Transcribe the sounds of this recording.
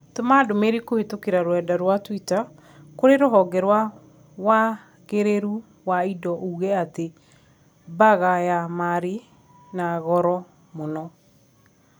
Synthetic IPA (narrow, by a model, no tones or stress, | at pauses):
tomadomeɾikohetokeɾaɾwɛdaɾwatwita | koɾeɾoɦɔɡɛɾwa | wa | ɣeɾeɾu | waidɔuɣɛate | baɣajamaɾi | naɣɔɾɔ | monɔ